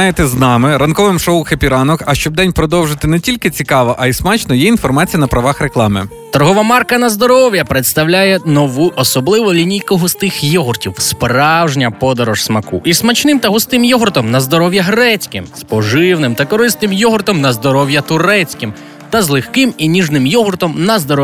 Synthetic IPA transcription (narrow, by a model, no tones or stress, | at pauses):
jɪt̪ɪznɑmɪɾɐnkɔʋɪmʃɔʊxɐpʲiɾɑnɔkɐʃt͡ʃɔb̚d̪ɛnʲpɾɔd̪ɔwʒɪt̪ɪnɛtʲilʲkɪt͡sʲikɑʋɐʔɐismɑt͡ʃnɔjɛin̪fɔrmɑt͡sʲijɐnɐpɾɐʋɑxɾeklˠɑmɪ̰ | t̪ɐrɦɔʋɐmɑrkɐnɐzd̪ɔɾɔwjɐpɾet̪st̪ɐwlʲajɛnɔʋuʊʔɔsɔblˠɪʋɔlʲinʲijkɔɦʊst̪ɪxjɔɦʊrtʲiwspɾɑwʒnʲɐpɔd̪ɔɾɔʒsmɐkṵʔismɐt͡ʃnɪmt̪ɐɦʊst̪ɪmjɔɦʊrt̪ɔmnɐzd̪ɔɾɔwjɐɦɾɛt͡sʲkɪ̰mspɔʒɪwnɪmt̪ɐkɔɾɪstnɪmjɔɦʊrt̪ɔmnɐzd̪ɔɾɔwjɐt̪ʊɾɛt͡sʲkɪm | t̪ɐzlˠɪxkɪminʲiʒnɪmjɔɦʊrt̪ɔmnɐzd̪ɔɾɔ